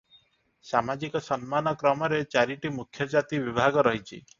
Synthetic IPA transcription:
samad͡ʒikɔsɔnmanɔkɾɔmɔɾet͡ʃaɾiʈimukʰjɔd͡ʒat̪ibibʱaɡɔɾɔɦit͡ʃʰḭ

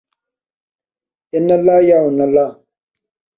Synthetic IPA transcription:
ɪnɐlaːjaunɐla

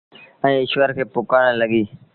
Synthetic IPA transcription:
ɛ̃ːɪʃʋəɾkʰeːpʊkaːɽ̃ləɡiː

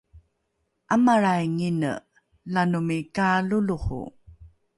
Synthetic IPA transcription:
ʔamaɾajŋinə̰ | lanumikaluluχṵ

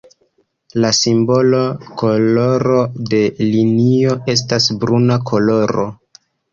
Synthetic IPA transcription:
lasimbo̞loko̞lo̞ɾo̞de̞linio̞e̞s̬tasbɾunakʰo̞lo̞ɾo̰

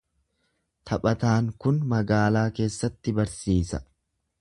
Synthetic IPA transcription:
t̪ʰɐpʼɐt̪aːŋkʊnmɐɡaːlaːke̞ːsːɐt̪ːɪbɐɾsiːsɐ̰

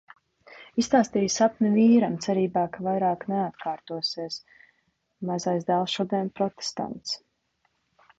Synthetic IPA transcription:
ist̪aːst̪iːjsapnʲɛviːɾamt̪sɛɾiːbaːkavajɾaːkneat̪kaːɾt̪uɔsiɛs | mazajzd̪alˠʃud̪ejnpɾɔt̪e̥st̪a̰nt̪s

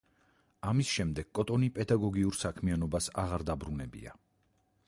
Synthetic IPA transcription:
amisʃɛmd̪ɛɡ̥kʼɔt̪ʼɔnipʼɛd̪aɡɔɡiuɾsakʰmianɔbasa̰ʁaɾd̪abɾunɛbḭa

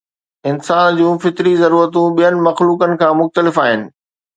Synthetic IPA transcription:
ɪnsaːnd͡ʑũːfɪt̪ɾizɐɾuːɾət̪ũɓijənɪ̆mɐxluːkənɪ̆kʰãːmʊxt̪əlɪfaːɦɪnɪ̆

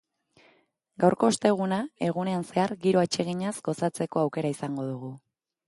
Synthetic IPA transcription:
ɡawɾko̞ːst̪e̞ɣ̞unae̞ɣ̞une̞anse̞aɾɡiɾo̞at͡ʃe̞ɣiɲazɡ̥o̞sat͡se̞ko̞awke̞ɾaisaŋɡo̞ðuɣu

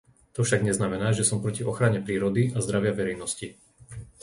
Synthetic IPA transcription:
t̪ɔfʃaɡɲɛznamɛnaːʒɛsɔmpɾɔciʔɔxɾaɲɛpɾiːɾɔd̪iazd̪ɾaʋɪaʋɛɾɛjnɔsci

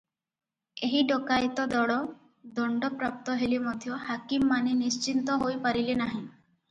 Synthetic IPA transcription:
eɦiɖɔkajt̪ɔd̪ɔɽɔ | d̪ɔɳɖɔpɾap̚t̪ɔɦelimɔd̪ʱjɔhakimːaninist͡ʃint̪ɔɦojpaɾilenaɦĩ

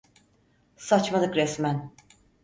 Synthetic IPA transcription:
sat͡ʃmalˠɯkɾɛsmæn

